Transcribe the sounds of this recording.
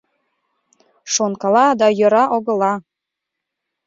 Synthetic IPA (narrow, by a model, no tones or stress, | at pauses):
ʃonkɑlˠɑd̪ɑjɤ̆ɾɑʔoɡɤ̆lɑ